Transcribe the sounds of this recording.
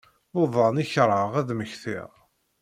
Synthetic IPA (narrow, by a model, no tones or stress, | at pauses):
ʊðˤɑniçɾˤəʁæðməçθḭʁ